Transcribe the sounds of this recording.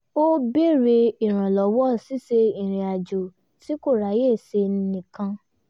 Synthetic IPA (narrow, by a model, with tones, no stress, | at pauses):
o˦be˦˨ɾe˧i˨ɾ̃ã˨lɔ˨˦wɔ˦˨si˦se˧ĩ˨ɾ̃ĩ˨a˨d͡ʒo˨ | si˦ko˦˨ɾa˨˦je˦˨se˧ñ̩˦nĩ˨kã˧